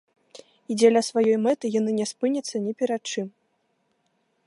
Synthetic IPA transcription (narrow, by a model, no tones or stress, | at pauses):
id͡zʲɛlʲasvajɔjmɛt̪ɨjanɨnʲɛspɨnʲɐt̪sːɐnʲɛpʲɛɾat̪̚t͡ʂɨm